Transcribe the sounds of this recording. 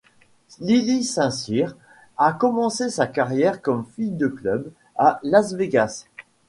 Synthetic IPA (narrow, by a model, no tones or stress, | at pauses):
lilisɛ̃siʁ | akɔmɑ̃sesakaʁjɛʁkɔmfijd̪əklœb | alazveɡas